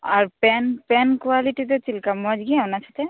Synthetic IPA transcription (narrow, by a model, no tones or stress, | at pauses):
aɹpɛnpɛnkuwalitit̪ɔt͡ʃilkamɔd͡ʒɡianasʰat̪ɛ